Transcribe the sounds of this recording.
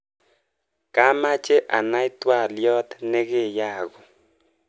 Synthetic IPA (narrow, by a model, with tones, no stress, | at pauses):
ka˦ma˦t͡ʃe˦ʔa̰˨na˦ɪ˦t̪wa˦˨ljɔ˦t̪nɛ˦ɣe˦˨ja˦˨ɣɔ˨